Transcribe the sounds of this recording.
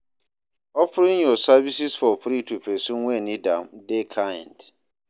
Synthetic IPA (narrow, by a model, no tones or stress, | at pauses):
ɔpɾĩnjɔsavisisfɔpɾitupesũŋwenidã̰mdekʰajɛ̰̃nd